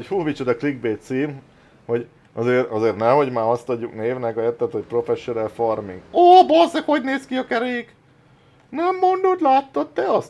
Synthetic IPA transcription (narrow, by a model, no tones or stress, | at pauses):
huːvit͡ʃod̪ɒkliɡ̚beːt̪siːm | ho̞ɟ | ɒzeːɾɒzeːrnɛho̞ɟmaːɒst̪ɒɟːukneːvnɛkɒɛt̪ːɛt̪hoc̚pro̞fɛʃːonɛlformiŋɡoːbozekho̞ɟneːskiɒkɛɾeːk | nɛmːo̞nd̪od̪laːt̪ːot̪ːɛɒs